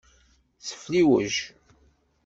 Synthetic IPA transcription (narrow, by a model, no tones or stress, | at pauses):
θə̥fliwəʒ